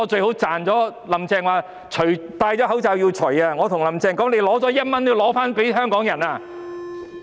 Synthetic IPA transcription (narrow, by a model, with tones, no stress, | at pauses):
ɔː˨˧t͡ʃɵ˧ɥho˨˥wt͡saː˨nt͡sɔː˨˥lɐ˨mt͡sɛː˧ŋwaː˨˧ | t͡ʃʰɵ˨˩t̪aː˧jt͡sɔː˨˥ɦwt͡saː˧wjiː˧wt͡ʃʰɵ˨˩jaː˧ŋɔː˨˧t̪ʰʊ˨˩ŋlɐ˨˩mt͡sɛː˧ŋkɔː˨˥ŋne˨˧jlɔː˨˥ɔː˨˥jɐ˥t̚mɐ˥njiː˧wlɔː˨˥faː˥npe˨˥jɦœː˥ŋkɔː˨˥ŋjɐ˨˩naː˧